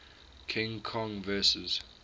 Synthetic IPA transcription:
kʰɪ̃ŋkʰɔ̃ŋvɜsəz̥

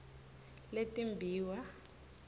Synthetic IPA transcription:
letʼimbʱiːwa

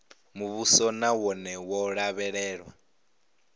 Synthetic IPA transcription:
muβusɔnawɔnɛwɔɺaβɛɺɛːɺwa

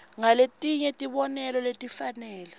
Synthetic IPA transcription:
ŋaletʼiɲɛtʼiɓɔnɛlɔletʼifanɛːlɛ

